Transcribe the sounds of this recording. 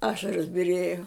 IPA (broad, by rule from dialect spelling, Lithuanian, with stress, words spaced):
ˈɑːʃɐroːs bʲɪˈrʲeːjoː